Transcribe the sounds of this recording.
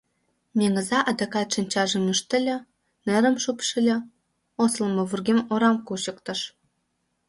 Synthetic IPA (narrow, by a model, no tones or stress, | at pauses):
mʲeŋə̆zɑʔɑd̪ekɑt̪ʃənʲt͡ɕɑʒə̆myʃt̪ə̆lʲĕ | nĕɾə̆mʃupʃəlʲĕ | osləmɤ̆βurɣemoɾɑmkuɕə̆kt̪ɤ̆ʃ